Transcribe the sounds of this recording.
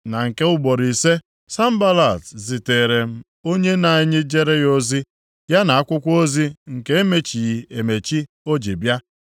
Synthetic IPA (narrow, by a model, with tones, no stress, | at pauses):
na˨ŋ̩˨ke˦ʊ˦ɡ͡bɔ˨ɾi˨se˦ | sa˦m̩˦ba˦la˨tzi˨te˨ɾe˨m̩˦ | o˦ɲe˦na˨i˦ɲɪ˦d͡ʒe˦ɾe˦jo˦zi˦ | ja˦na˨a˦kʷʊ˦kʷo˦zi˦ŋ̩˨ke˦e˦me˦t͡ʃi˨ji˨e˨me˨t͡ʃi˦ | o˦d͡ʒi˨bja˦